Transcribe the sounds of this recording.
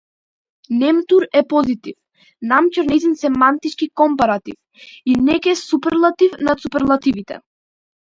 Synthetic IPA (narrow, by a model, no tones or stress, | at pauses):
nɛmt̪uɾɛpɔzit̪if | namcɔɾnɛzinsɛmant̪it͡ʃkikɔmpaɾat̪ḭf | inɛkɛsupɛɾlˠat̪ifnat̪supɛɾlˠat̪ivit̪ɛ̰